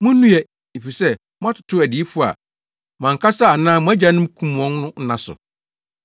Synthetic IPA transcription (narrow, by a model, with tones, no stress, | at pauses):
mʊ̃˦nũ˦ɛ˨ | e˨fi˨sɛ˦ | mʊ̃˦a˦tʰʊ̥˨˦tʰʊ˦æ˨di˨˦i˦fʊ˦a̰˨ | mã˨ŋ̩˨kʰa˦sa˦˨nãː˦mʊ̃˦æ˦d͡ʑa˦nʊ̃˦m˦kʰũ˦m˨ɔ̃˦nnʊ̃˦n̩˦nã˨sʊ̰˨